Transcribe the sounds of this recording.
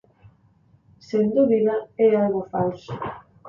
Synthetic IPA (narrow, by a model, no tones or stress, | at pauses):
send̪uβiðaɛalɣofals